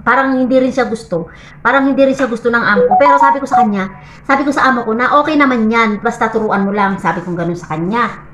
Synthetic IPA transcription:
paːɾɐŋhɪnd̪iɾɪnʃaɡʊst̪o̞ | paːɾɐŋhɪnd̪iɾɪnʃaɡʊst̪onɐŋʔaːmokopɛːɾo̞saːbɪko̞sɐkɐɲɲa | saːbɪkosɐʔaːmoko̞nɐʔo̞ːkɛjnɐmanjanbɐst̪at̪ʊɾuːʔɐnmolaŋsaːbɪkoŋɡɐnonsɐkɐɲɲa

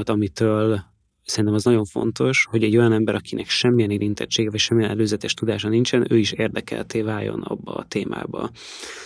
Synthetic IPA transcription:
t̪ɒmit̪øːl | sɛɾint̪ɛmɒznɒɟo̞ɱfo̞̰nt̪o̞ʃho̞ɟɛɟːo̞jɒnɛmbɛɾʔɒkinɛkʃɛmːijɛneːɾint̪ɛt͡ʃːeːɡɛvɒcʃɛmːijɛnɛløːzɛt̪ɛʃt̪ud̪aːʃɒnint͡ʃɛnøːiʃeːrd̪ɛkɛ̰lt̪eːvaːjo̞̰nɒ̰bːɒ̰ːt̪eːma̰ːbɒ̰

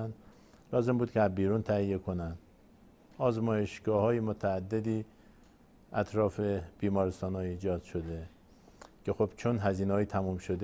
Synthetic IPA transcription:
nd̪ | lɒːze̞mbuːd̪̚kʰeæzbiːɾuːnt̪ʰæhijːe̞kʰonænd̪̥ | ʔɒːzmɒːjeʃɡ̥ɒːhɒːjemot̪ʰæːd̪ːed̪iː | ʔæt̪ʰɾɒːfeb̥iːmɒːɾest̪ɒːnɒːiːd͡ʒɒːd̪̥ʃod̪e | cʰe̞xo̞b̥t͡ʃʰonɦæziːneɒːjit̪ʰæmuːmʃo̞d̪

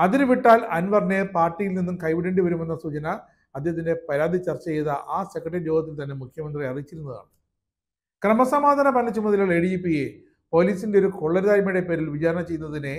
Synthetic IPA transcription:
ɐðiɾʋiʈːaːlɐnʋɐrnːepaːrʈːijilninːumkɐjʋiɽeɳɖɨʋɐɾume̞nːɐsuːt͡ɕɐnɐ | ɐd̪ʱjeɦɐt̪̬ːinde̞pɐɾaːd̪ʱit͡ɕɐrt͡ɕːɐt͡ɕejɐðɐʔaːsekːɐʈːɐɾiloːɡɐt̪̬ːilt̪ɐnːe̞mukʰjɐmɐnd̪rijɐrit͡ɕːiɾunːɐða̰ːɳɨ | krɐmɐsɐmaːd̪ʱɐnɐpɐnːlːɐt͡ɕumːɐðɐilaɭeɽiipːije | po̞ːliːsinde̞o̞ɾukoɭːɐɾðaːɾmɐjɽe̞pe̞ːɾilʋit͡ɕaːɾɐɳɐt͡ɕe̞jːunːɐðine

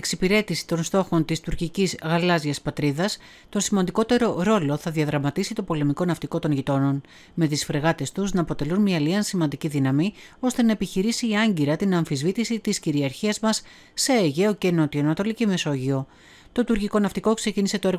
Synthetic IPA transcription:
eksipiɾe̞t̪isi̥t̪o̞nst̪o̞xo̞nt̪ist̪uɾcicizɣɐlɐzʝɐspɐt̪ɾiðɐs | t̪o̞nsimɐnd̪iko̞t̪e̞ɾo̞ɾo̞lo̞θɐðiɐðɾɐmɐt̪isit̪o̞po̞le̞miko̞nɐft̪iko̞t̪o̞nʝit̪o̞no̞n | me̞t̪isfɾe̞ɣɐt̪e̞st̪uznɐːpo̞t̪e̞lunmiɐliɐnsimɐnd̪iciðinɐmio̞st̪e̞nɐepiçiɾisiːɐɲɟiɾɐt̪inɐɱfizvit̪isit̪isciɾiɐɾçiɐzmɐsː | eeʝe̞oce̞no̞t̪ionɐt̪o̞licime̞so̞ʝio̞ | t̪o̞t̪uɾciko̞nɐft̪iko̞kse̞cinise̞t̪o̞e̞ɾ

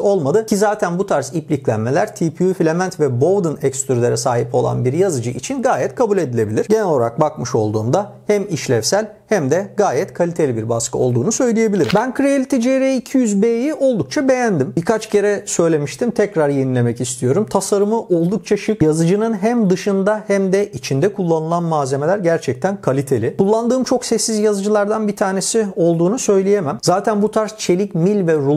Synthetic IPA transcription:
o̞lˠmad̪ɯcʰizaːt̪ʰænbut̪ʰaɾsiplʲiclʲænme̞lʲæɾt̪ʰipʰiufilʲemænt̪vɛbo̞vd̪ɯnɛkst̪yɾylʲe̞ɾɛsaːɦipo̞lˠa̰nbiɾjazɯd͡ʒɯʔit͡ʃʰinɡaːjɛt̪kʰabulʲe̞d̪ilʲe̞bilʲiɾɟe̞nɛloɾak̚bakmɯʃo̞̰lˠd̪uːnd̪a | hæmiʃlʲɛfsælʲ | hæmd̪ɛɡaːjɛt̪kʰalʲit̪ʰelʲibiɾbaskʰɯo̞lˠd̪uːnusø̞jlʲije̞bilʲiɾimbænkʰɾealʲit̪ʰid͡ʒeɾeicʰijyzbejio̞lˠd̪uk̚t͡ʃʰabe̞jænd̪imbikʰat͡ʃcʰe̞ɾɛsø̞jlʲe̞miʃt̪ʰimt̪ʰɛcɾaɾjenilʲe̞mɛcist̪ʰijo̞ɾumt̪ʰasaɾɯmɯʔo̞lˠd̪uk̚t͡ʃʰaʃɯkjazɯd͡ʒɯnɯnɦæmd̪ɯʃɯnd̪ahæmd̪ɛʔit͡ʃʰind̪ɛkʰulˠːanɯlˠanmaːze̞me̞lʲæɾɟæɾt͡ʃʰɛc̚t̪ʰænkʰalʲit̪ʰelʲikʰulˠːand̪ɯːmt͡ʃʰo̞ksɛsːizjazɯd͡ʒɯlˠaɾd̪anbit̪ʰaːne̞sio̞lˠd̪uːnusø̞jlʲijemæmzaːt̪ʰænbut̪ʰaɾst͡ʃʰe̞lʲicmilʲvɛɾu

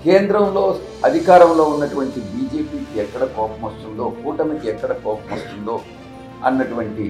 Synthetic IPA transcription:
keːnd̪ɾɐmlo̞ː | ɐd̪ʱikaːɾɐmlo̞ːunːɐʈuʋɐɳʈibiːd͡ʒe̞ːpiːkiɛkːɐɽɐkɔːpɐmɐst̪und̪o̞ːkuːʈɐmikiɛkːɐɽɐkɔːpɐmɐst̪und̪o̞ː | ɐ̰nːɐʈuʋɐɳʈi

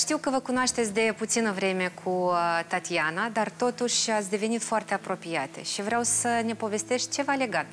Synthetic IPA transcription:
ʃt̪iwkəvəkunoaʃt̪e̞t̪sʲd̪e̞put̪sinəvɾe̞me̞kʰut̪at̪ianad̪art̪o̞t̪uʃʲat̪sʲd̪e̞ve̞nit̪foart̪e̞apɾo̞pijat̪ḛʃivɾeawsəne̞po̞ve̞st̪e̞ʃt̪ʲt͡ʃe̞vale̞ɡat̪

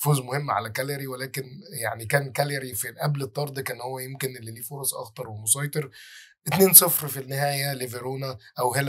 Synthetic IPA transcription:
foːzmohemːʕa̰lækæleɾiwelæːkenja̰ʕnikæːnkæleɾifilʔæblet̪ˤːɑɾˤd̪ˤkæːnhowːæjemkenʔelːiliːfoɾˤɑsˤʔɑ̰xt̪ˤɑɾˤwemosˤɑːjt̪ˤeɾ | ʔɪt̪neːnsˤefɾfinːɪhæːjæleveɾoːnæʔæwhel

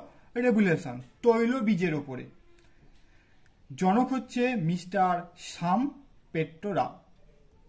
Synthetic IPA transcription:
ɾebuleʃont̪ojlobid͡ʑeɾopoɾḛ | d͡ʑɔnokʰɦotːɕʰemisʈaɾʃam | peʈɾoɾa̰

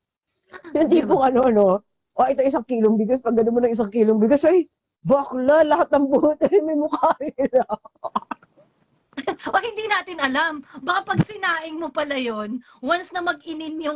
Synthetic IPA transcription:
hɪnd̪ipoŋɐno̞ʔɐno̞ | ʔoʔɐɪt̪ɐjs̬ɐŋkiːloŋbɪɡɐspɐɡ̚ːɐnomːonɐŋɪs̬aŋkiːloŋbɪɡɐsɐj | baklalɐhat̪̚nɐŋbuːt̪ɐjmɐjmʊkaːɾɪɪla | ʔohɪnd̪iːnaːt̪ɪnɐlambɐkɐpɐɡ̚sɪnaːʔɪŋmopɐlajon | wɐnsnɐmɐɡʔɪnɪnjʊŋ

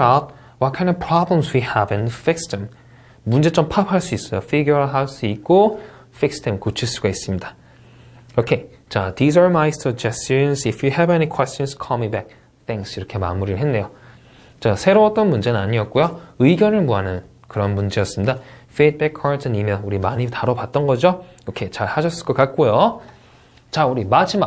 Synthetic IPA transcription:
at̚ | wʌt̚kʰãj̃ndʌpʰɹ̥abẽmswihɛvĩnfikstʰem | mund͡ʑe̞t͡ɕ͈ompʰapʰaɭs͈uis͈ʌjofiɡjoɦaɭs͈uit̚k͈o | fikstʰemkot͡ɕʰiɭs͈uɡais͈ɯmɲidḁ | okʰe | t͡ɕadizʌɹmajstʰʌd͡ʑʌst͡ɕʌnsifʰjuɦɛvenikʰwɛst͡ɕʌnskʰʌmibɛk̚ | tʰeŋsiɾʌkʰe̞ma̰muɾiɾɭɦe̞nːe̞jo | t͡ɕasʰe̞ɾoʌt͈ʌnmund͡ʑe̞nɯnaɲiʌt̚k͈ujoɯiɡjʌnɯɭmuɦanɯn | kɯɾʌnmund͡ʑejʌs͈ɯmɲidafʰit̚pekʰːʌtʰʌnimjʌnuɾimaɲitaɾopat̚t͈ʌnɡʌd͡ʑo | okʰet͡ɕaɭhaɕʰʌs͈ɯɭk͈ʌk͈at̚k͈ojo | t͡ɕauɾimad͡ʑʰima

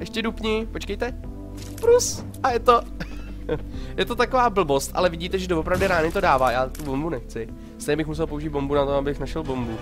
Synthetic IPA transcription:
ʔɛʃcɛdupɲɪpo̞t͡ʃkɛjt̪ɛ | pɾus | ʔajɛt̪o | jɛt̪ot̪ako̞vaːbl̩bo̞st̪ʔa̰lɛvɪɟiːt̪ɛʒɛdovopɾavdɪɾaːnɪt̪o̞daːvaːjaːt̪ubombunɛxt͡sɪ | st̪eɲɛbɪxmus̬ɛlpouʒiːd̪bo̞mbunat̪oabɪxnaʃɛlbo̞mbu

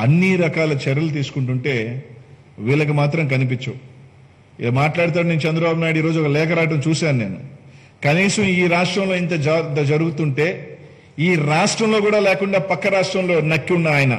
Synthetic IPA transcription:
ɐnːiɾɐkaːlɐt͡ʃɛɾɐlut̪̬iːsu̥kuɳʈuɳʈe̞ː | ʋiːlɐk̬ɐmaːt̪ɾɐmk̬ɐnip̬it͡ʃːɐw | ḭlaːmaːʈlaːɽut̪aːɾneːnut͡ʃɛnd̪ɾɐbaːbunaːjɽiːɾo̞ːd͡ʒuɔkɐlɛːkɐɾaːʈ̬ɐmt͡ʃuːsaːnune̞ːnu | kɐniːsɐmiːɾaːʂʈɾɐmlo̞ːint̪ɐt̪ɐd͡ʒɐɾuɡut̪uɳʈe̞ː | iːɾaːʂʈɾɐmlo̞ːkuːɽaːlɛːkuɳɖaːpɐkːɐɾaːʂʈɾɐmlo̞ːnɐkːiunːaːjɐnɐ

